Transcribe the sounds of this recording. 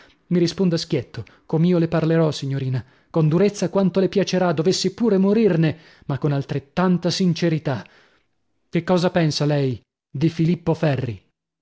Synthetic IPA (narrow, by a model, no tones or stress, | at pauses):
miɾispond̪ask̟jɛt̪ːo | komiːoleparleɾɔsiɲːoɾiːna | kond̪uɾet̪sːakwant̪olepjat͡ʃeɾad̪ovesːipuːɾemoɾirne | makːonalt̪ɾet̪ːant̪asint͡ʃeɾit̪a | kekːɔːzapɛnsalɛj | d̪ifilipːofɛrːi